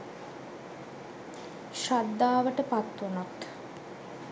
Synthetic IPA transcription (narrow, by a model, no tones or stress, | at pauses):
ʃad̪ːaːʋəʈəpat̪ːunot̪